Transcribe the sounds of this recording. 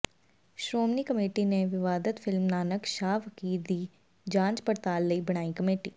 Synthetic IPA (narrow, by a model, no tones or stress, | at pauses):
ʃɾoːmniːkəmeːʈiːneʋɪʋaːd̪ət̪fʰɪlmnaːnəkʃaːʋəkiːɾd̪iː | d͡ʒãːɲd͡ʒpəɾt̪aːlːəiːbəɽ̃aːikəmeːʈiː